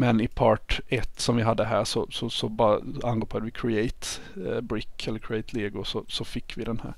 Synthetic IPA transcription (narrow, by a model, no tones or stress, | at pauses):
mɛnɪpʰɑːʈɛt̪ːsɔmvɪɦad̪ːəɦæːɾʂɔsɔsɔbɑɾ̰anɡoːpʰɔat̪ʋɪkʰɾɪeɪt̪bɾɪkːɛlːəɾkʰɾɪeɪt̪ʰleːɡʊsɔsɔfɪkːʋɪd̪ɛnhæ̰ːɾ